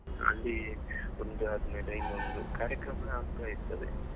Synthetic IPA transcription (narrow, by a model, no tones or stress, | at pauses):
ɐ̰lːi | ond̪uɐd̪umeːleiond̪ukaːɾjɐkɾɐmɐnaːɡ̚t̪aːjiɾɯt̪ːɐʋḛ